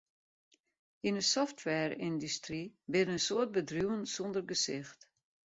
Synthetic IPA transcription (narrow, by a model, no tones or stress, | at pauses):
inəsɔftʰwɛːrɪndystribɪɾnəsoət̚bədruwənsɔndərɡəsɪxt